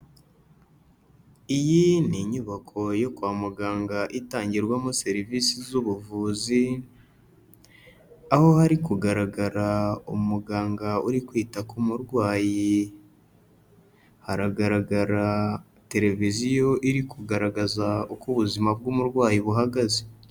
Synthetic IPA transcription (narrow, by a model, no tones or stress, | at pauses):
ijiniɲuβakʰo̞jo̞kwaːmuɡaːŋɡaʔitaːɲɟiɾɡwamose̞ɾivisizuβuvuːzi | aho̞haɾikuɡaɾaɡaɾaumuɡaːŋɡauɾikwiːtakumuɾɡwaːji | haɾaɡaɾaɡaɾa | te̞ɾe̞vizijo̞ʔiɾikuɡaɾaɡazaukuβuzimab̚ɡumuɾɡwaːjiβuɦaɡaze